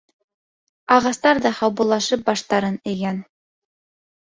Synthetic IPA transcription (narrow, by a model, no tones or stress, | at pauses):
ɑʁɑst̪ɑɾðɑχɑwβŭlˠːɑʃɤp̚bɑʃt̪ɑɾɤnɘ̆ɡæn